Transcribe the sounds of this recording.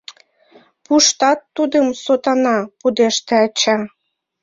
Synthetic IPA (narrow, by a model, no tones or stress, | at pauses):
puʃt̪ɑt̪ːud̪əmsot̪ɑnɑpud̪eʃt̪eɑt͡ɕɑ